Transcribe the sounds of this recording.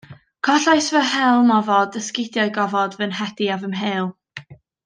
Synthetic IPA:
kʰɔɬajsvɛɦɛlˠmɔvɔdəskɪdjɔɨɡɔvɔdvənɦɛd̥iavəmɦeːlˠ

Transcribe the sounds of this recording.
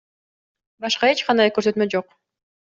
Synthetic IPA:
bɑʃqɑe̞t͡ʃqʰɑnd̪ɑjkøɾsø̞t̪mø̞d͡ʒo̞q

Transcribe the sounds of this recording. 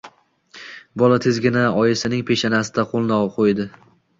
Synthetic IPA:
bɒlat̪ʰɪzɡʲɪnaɒjɪsɪnɪŋpʰe̞ʃanasɪd̪aqʰolˠnɒqʰojd̪ɪ

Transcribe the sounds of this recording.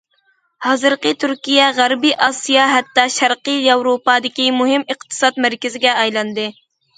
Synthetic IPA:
hɑːzɨɾqət̪ʰyɾkʲijɛʁæɾbiʔɑsijɑɦɛt̪ːɑʃæɾqəjɑwɾopɑːd̪ɪkʲimuɦɪmɨqt̪ʰɨ̥sɑt̪mæɾkʲɪzɪɡʲɛɑjlˠɑnd̪ɨ

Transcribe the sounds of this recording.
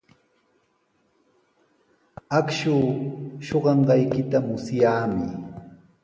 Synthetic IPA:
akʃuːʃoɢɑɴɢɑjkɪt̪amʊsjaːmɪ

